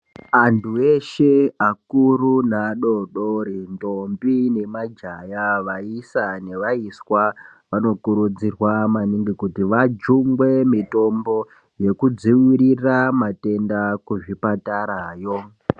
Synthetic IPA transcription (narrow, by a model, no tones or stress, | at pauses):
andʰue̞ʃe̞akurunaɗo̞ɗoɾindombine̞mad͡ʒajaʋaisane̞ʋaiswaʋano̞kuɾud͡zirwamaniŋɡikutiʋad͡ʒuŋɡwe̞mito̞mbo̞ | je̞kud͡ziwiɾiramate̞ndakuʐipataɾajo̞